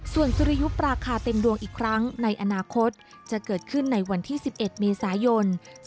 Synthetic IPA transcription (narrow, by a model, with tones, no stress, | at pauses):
su˨˩ənsu˧ɾi˧ju˦˥p̚ɾaː˧kʰaː˧t̪e˧mdu˧əŋʔiː˨˩kʰɾa˦˥ŋna˧jʔa˧naː˧kʰo˦˥t̪̚ | t͡ɕa˨˩kɤː˨˩t̪̚kʰɯ˥˩nːa˧jwa˧nt̪ʰiː˥˩si˨˩p̚ʔe˨˩t̪̚meː˧saː˩˦jo˧n